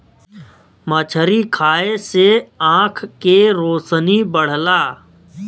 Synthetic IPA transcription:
mət͡ʃʰəɾikʰaːeseãːkʰkeɾoːsənibəɽ̤laː

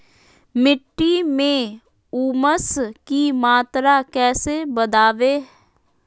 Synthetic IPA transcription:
mɪʈːimẽ | uːməskimaːt̪ɾakɛːsebəd̪aːʋeː

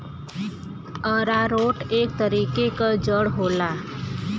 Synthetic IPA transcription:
əɾaɾoʈekt̪əɾikekəd͡ʒəɽɦola

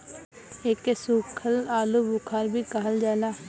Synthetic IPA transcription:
eːkesukʰəlaːluːbʊkʰaːɾbʱiːkəɦəld͡ʒaːlaː

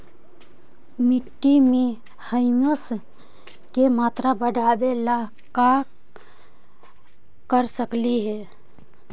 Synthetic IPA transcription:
miʈːime | həɪməs | kemat̪ɾabəɖʱabela | ka | kəɾsəkliɦe

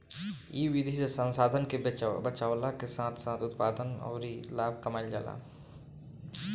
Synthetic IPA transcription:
iʋid̪ʱisesə̃nsaːd̪ʱənkebbət͡ʃaːwlakesãːt̪ʰsãːt̪ʰʊt̪paːd̪ənɔ̰ːɾilaːbʱkəmaːɪld͡ʒa̰ːla̰ː

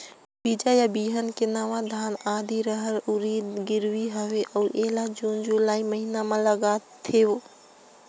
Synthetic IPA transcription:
bid͡ʒajabiːɦənkɪnaːʋãd̪ʱaːnaːd̪ʱiɾəɦəɾʊɾiːd̪ɡɪɾʋiɦəʋeʔɐʔeːlad͡ʒuːnd͡ʒʊlaːiməɦinamãləɡat̪ʰeo

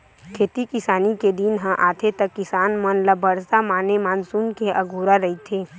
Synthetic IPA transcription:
kʰeːt̪ikɪsaːniked̪inɦə̃ʔaːt̪ʰet̪ɐkːɪsaːnmənləbəɾsamaːnemaːnsuːnkeʔɐɡʱuːɾaɾɐɦit̪ʰeː

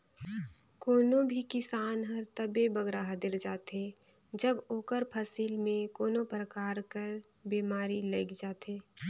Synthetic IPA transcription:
koːnõbʱikɪsaːnɦəɾt̪ɐbebɐɡɾaɦɐd̪ɪɾd͡ʒaːt̪eː | d͡ʒəboːkəɾpʰɐsilmẽkoːnõpɾəkaːɾkəɾ | biːmaːɾilɐɪkd͡ʒaːt̪eː

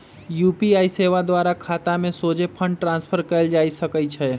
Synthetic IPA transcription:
juːpiaːiseːʋad̪waːɾakʰaːt̪amẽsoːd͡ʒepʰə̃ɳɖʈɾãːnspʰəɾkəld͡ʒaːisɐkəit͡ʃʰɛ

